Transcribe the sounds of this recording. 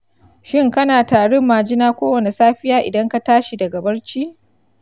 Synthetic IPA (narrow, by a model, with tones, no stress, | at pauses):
ʃɪ˦ŋkɐ˦naː˨taː˨ɽʊ˦mːaː˨d͡ʒɪ˦naː˦kʷoː˦wɐ˨ne˨saː˦ɸɪ˦jaː˦ʔɪ̰˨dɐ˦ŋka˦taː˦ʃi˨dɐ˨ɡɐ˨bɐ˦ɽt͡ʃiː˦